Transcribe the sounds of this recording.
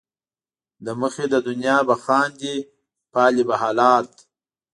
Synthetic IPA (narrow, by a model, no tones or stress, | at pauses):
d̪əməxed̪əd̪ʊnjɑbaxɑːnd̪i | pɑːlibaɦɑːlɑːt̪̚